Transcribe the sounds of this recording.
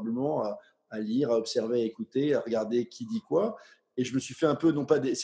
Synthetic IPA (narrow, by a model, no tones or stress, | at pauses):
bləmɑ̃aː | liʁaɔpsɛʁveaekut̪eaʁəɡaʁd̪ekʲʰid̪ikwa | eʒəməsɥifɛɛ̃pønɔ̃pad̪es